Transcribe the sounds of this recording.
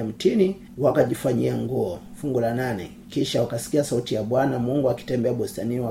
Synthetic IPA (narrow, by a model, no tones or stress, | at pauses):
am̩tini | wakaʄifaɲiaŋɡuɔ | fuŋɡulananɛ | kiʃawakasi̥kiasautijaɓwanamuŋɡuaki̥tɛmbɛaɓɔstania